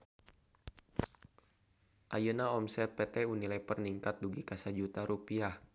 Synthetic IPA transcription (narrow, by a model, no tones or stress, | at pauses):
ʔajənaɔmsɛt̪̚pɛt̪ɛunilajpərniŋkat̪̚duɡikasad͡ʒut̪aɾupiah